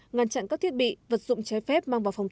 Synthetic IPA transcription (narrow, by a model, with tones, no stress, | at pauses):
ŋaː˧˩nt͡ɕa̰ː˧˨nkaː˦˥k̚t̪i˦˥ət̚ɓḭ˧˨və˨˩t̚zʊ̰˧˨ŋ͡mt͡ɕɛ˨˦jfɛ˦˥p̚maː˧ŋvaː˨˩wfa˨˩wŋ͡mt̪